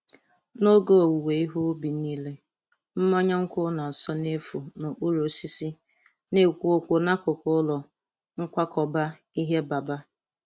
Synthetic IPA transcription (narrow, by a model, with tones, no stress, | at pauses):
no˦ɡo˦o˨wu˨we˨i˦ɦʊ˦bi˨niː˦le˦ | m̩˦mɔ˦ɲa˦ŋ̩˦kʷʊ˦na˨sɔ˦ne˦fu˨no˨ʔu˦ɾo˨si˦si˦ | ne˦kʷo˨kʷo˨na˦kʊ˨kʊ˦lɔ˨ | ŋ̩˦kʷa˦kɔ˨ba˦ | i˦ɦe˦ba˨ba˦